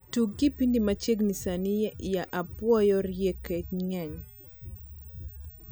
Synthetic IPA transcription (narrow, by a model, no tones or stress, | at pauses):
tuɡipindimat͡ʃeɡnisanijjaʔapwɔjɔrjekeŋɛɲ